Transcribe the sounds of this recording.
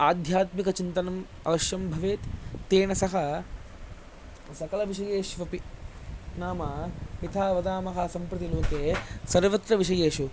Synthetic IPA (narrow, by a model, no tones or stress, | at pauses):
aːd̪ʱjaːt̪mikɐt͡ʃint̪ɐnɐm | ɐ̰ʋɐʃjɐmbʱɐʋeːt̪t̪ːeːɳɐsɐɦɐ | sɐkɐlɐʋiʃɐjeːʃʋɐpi | naːmɐmit̪ʰaːʋɐd̪aːmɐɦɐsɐmpɾɐt̪iloːkeːsɐɾʋɐt̪ɾɐʋiʂɐjeːʃu